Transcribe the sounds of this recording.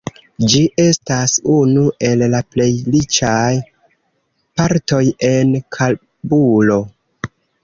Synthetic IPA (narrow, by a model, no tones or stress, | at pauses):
d͡ʒiʔe̞stasunuʔe̞lːaple̞jlit͡ʃaj | paɾto̞je̞nkʰal | bulo̞